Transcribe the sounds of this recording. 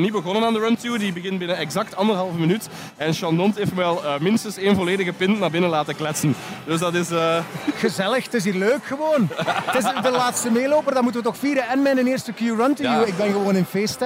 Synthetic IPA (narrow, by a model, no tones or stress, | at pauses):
nibəɣɔnənaːndəɹœntuːdibəɣɪnbɪnənɛɡzɑk̚tɑndərɦɑlˠvəmənyt | ɛnʃɑndɔnteːftmʋɛlˠːmɪnstənseːnvɔleːdəɣəpɪntnaːrbɪnənlaːtəklɛtsənd̥ɵsdɑtɪsxəzɛləxtɪs̬iːrløːkxəʋoːntɪsdəlaːtstəmeːloːpərdɔnmutənʋətɔxfiːɾəɛnmɛnənɪːrstəkjuːrɔntəjuːɪɡ̚bɛnɣəʋoːnɪnfeːstə